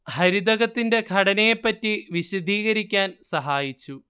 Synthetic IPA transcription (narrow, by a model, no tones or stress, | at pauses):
hɐɾid̪ɐɣɐt̪ːinde̞ɡʱɐɽɐnejepːɐtːiʋiɕid̪ʱiːɣɐɾikʲːaːnsɐɦaːjit͡ɕːu